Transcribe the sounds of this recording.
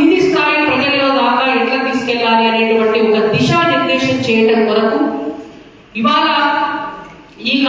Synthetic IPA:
nist̪aːjipɾɐd͡ʒɐlɐlo̞ːd̪aːkaːɛʈlɐt̪iːsu̥kɛɭːaːliɐneːʈɐʋɐɳʈːiɔkɐd̪iʃaːniɾd̪ɛːʂɐmt͡ʃɛːjɐʈɐmkɔnɐku | iʋaːlɐ | iːk

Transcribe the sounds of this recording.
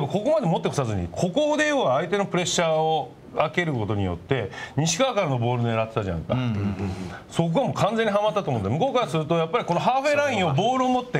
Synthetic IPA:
emako̞ko̞mad̪e̞mot̪ːekosazɨɲ̟ḭkʰo̞kod̪e̞joːaːit̪e̞no̞pɯ̟ɾe̞ɕːaːo | ake̞ɾɯ̟ko̞t̪o̞ɲ̟ḭjo̞̰t̪ːe̞ɲ̟iɕi̥kakaɾɯno̞bo̞ːɾɯ̟d̪eɾat̪ːet̪aʑanka | so̞k̬ɯamo̞kʰãnd͡ze̞ɲ̟ːiɦamat̪ːatomõnmɯ̟ko̞ːkaɾasɨɾɯ̟t̪o̞japːaɾʲiko̞no̞ɦaːɸe̞ːɾaĩɰ̃o̞bo̞ːɾɯ̟omo̞t̪ːe̞

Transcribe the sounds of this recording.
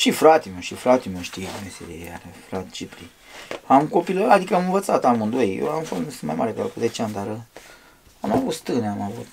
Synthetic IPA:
ʃifɾat̪iməʃifɾat̪iməʃt̪ijemesḛd̪ḛja̰ɾefɾat̪t͡ʃipɾi | amkopiləad̪ikəamɨnvət̪sat̪amɨnd̪ojjḛamfonusɨnma̰jma̰ɾepekakuzet͡ʃeanʲd̪aɾ | amavut̪st̪ɨneamavut̪

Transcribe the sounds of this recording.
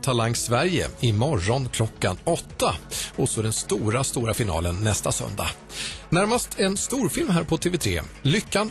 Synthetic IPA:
t̪ʰalaŋsvæɾjə̰ɪmɔɾːɔnkʰlɔkːanɔt̪ːaɔsɔɖ̪ɛnst̪uːɾast̪uːɾafɪnɑ̰ːlənːɛst̪asœ̰nd̪a̰ | næɾmast̪ʰɛnst̪uːɾfɪlmɦæːɾpʰɔt̪ʰeːvɛt̪ʰɾḛːlʏkːan

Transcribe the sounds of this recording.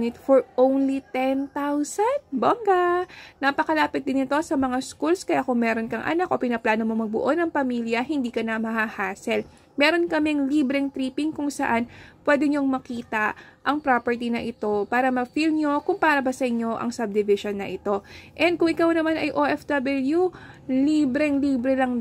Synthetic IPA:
nɪt̪foɹʔownlit̪ɛnt̪awsɐnd̪̚boɡanapɐkɐlaːpɪt̪̚d̪ɪnɪt̪o̞sɐmɐŋaskulskɐjakʊŋmɛːɾonkɐŋʔɐ̰nak̚ʔo̞pɪnɐplaːnomomɐɡ̚bʊ̰ʔo̞nɐŋpɐmiljɐɦɪnd̪iːkɐnɐmɐɦahaːsɛl | mɛːɾo̞nkɐmɛŋliːbɾɛŋt̪ɾiːpɪŋkʊŋsɐʔanpwɛːd̪ɛɲoŋmɐkiːt̪ɐʔɐŋpɾopɛɹt̪̬inɐʔɪt̪o̞paːɾɐmɐfilɲɲokʊŋpaːɾɐbɐsɐʔɪɲːo̞ʔɐ̰ŋsɐb̚d̪ɪvɪʃonːɐʔɪt̪o̞ʔɛnd̪̚kʊŋʔɪkawnɐmanɐjʔoʔɛfd̪ɐbɐljuliːbɾɛŋliːbɾɛlɐŋ

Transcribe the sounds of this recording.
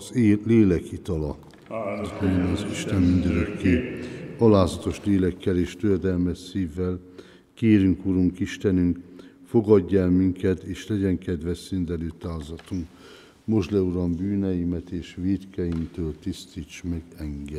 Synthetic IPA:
zleːlɛkit̪ɒlɒ | moonɒziʃt̪ɛmːind̪øɾøkːeːɒlaːzɒt̪o̞ʃleːlɛkːɛleːʃt̪ørd̪ɛlmɛʃsiːvːɛl | keːɾyŋkuɾuŋkiʃt̪ɛnyŋk | fo̞ɡɒɟːɛlmiŋkɛt̪eːʃlɛɟɛŋkɛd̪ʋɛʃind̪ɛløːt̪aːzɒt̪uŋk | mo̞ʒlɛuɾɒmbyːnɛjimɛt̪eːʃʋiːt̪kɛjimt̪øːlt̪ist̪iːt͡ʃmɛɡɛŋɡɛ

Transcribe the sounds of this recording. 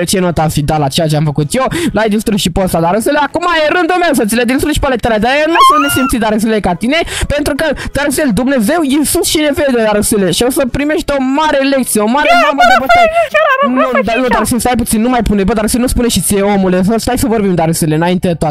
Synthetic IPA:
t͡ʃeno̞t̪asʃid̪alat͡ʃejat͡ʃeamfəkut̪jewlajd̪ist̪ɾusʃipost̪ad̪aɾəseleakumajeɾɨnd̪ulmews̬ət̪siled̪inst̪ɾuʃi̥palet̪alad̪aenusunt̪nesimpt̪sit̪d̪aɾəs̬elekat̪ine̞pent̪ɾukət̪eɾəseld̪umne̞ze̞wisusʃine̞ve̞d̪ed̪aɾəseleʃiosəpɾimeʃt̪o̞maɾe̞lek̚t̪sijeomaɾeɾambəipoa | nud̪anud̪aɾəselst̪ajp̬ut̪sinːumajpunebəd̪aɾəselnuspuneʃit̪sieomulesəst̪ajsəvo̞rbimd̪aɾəseleɨnaint̪ed̪et̪oat̪

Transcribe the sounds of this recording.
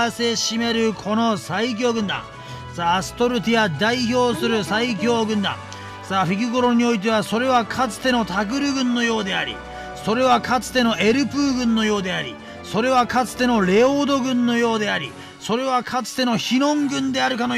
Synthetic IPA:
se̞ɕime̞ɾɯ̟kʰo̞no̞saik̬ʲo̞ːɡɯ̟̃nd̪ã̰ŋ | saːsɨ̥t̪o̞ɾɯ̟t̪ʲijad̪aiço̞ːsɨɾɯ̟saikʲo̞ːɡɯ̟̃nd̪ã̰ŋ | saːɸɯkʲiɡoɾo̞ɲ̟io̞it̪̬e̞β̞aso̞ɾe̞β̞akʰat͡sɨ̥t̪e̞no̞t̪ʰakɯ̟ɾɯ̟ɡɯ̟̃nːo̞jo̞ːd̪e̞aɾʲḭ | so̞ɾe̞β̞akat͡sɨ̥t̪e̞no̞ʔe̞ɾɯ̟pɯ̟ːɡɯ̟̃nːo̞jo̞ːd̪e̞aɾʲḭ | so̞ɾe̞β̞akat͡sɨ̥t̪e̞no̞ɾe̞oːd̪o̞ɡɯ̟̃nːo̞jo̞ːd̪e̞aɾʲi | so̞ɾe̞β̞akʰat͡sɨ̥t̪e̞no̞çinõ̞ŋɡɯ̟̃nd̪e̞aɾɯ̟kano

